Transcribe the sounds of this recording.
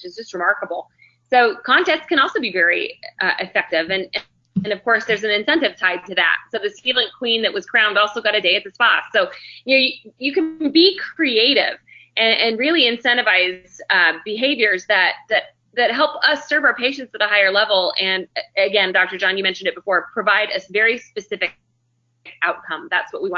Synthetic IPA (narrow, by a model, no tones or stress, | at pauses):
wt͡ʃɨz̥d͡ʒʌst̚ɹɨmɑɹkəbl̩ˠ | soʊkʰɑ̃ntɛstskɨ̃ñɔlˠsoʊbivɛɹḭʔʌʔɨfɛk̚tɪvɨ̃nɨ̃ | ɨ̃nʌv̥kʰɔɹsðə˞zɨ̃n̩ɨ̃nsɛ̃ntɨv̥tʰaɪd̚tɨðæ̰t̚soʊðɨshilˠɪ̃ŋkʰw̥ĩnðɨʔ̚wʌz̥kʰɹ̥ãʊ̃ndɔlˠsoʊɡɑɾɨdeɪɨt̪̚ðɨspɑtsoʊjɨnoʊjɨjɨkɨ̃nbikʰɹ̥ieɪɾɪ̰v̥ʔɨ̃ʔɨ̃nɹɪlˠiɨ̃nsɛ̃ɾ̃ɨvaɪzʌbɨɦeɪvjə˞zðɨt̪̚ðɨt̪̚ | ðɨt̚ɦɛlˠpʌsɜ˞vaʊə˞pʰeɪʃɨ̃n̩tsɨɾəɦaɪə˞lɛvl̩ˠɨ̃nɨɡɛ̃ndɑk̚tə˞d͡ʒɑ̃njɨmɛ̃nʃɨn̩dɨt̚b̥əfɔɹpʰɹ̥ɨvaɪɾɨsvɛɹispɨsɪfɨk | k̚aʊt̚kʰʌ̃mðætswʌʔ̚wiw̃